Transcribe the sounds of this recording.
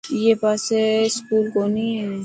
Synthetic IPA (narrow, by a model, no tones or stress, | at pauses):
jeːpaːseskuːlkoːniɦɛː